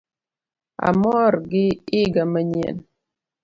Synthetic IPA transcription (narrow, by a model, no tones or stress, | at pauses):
a̰mɔɾɡɪiɡaməɲɛ̰n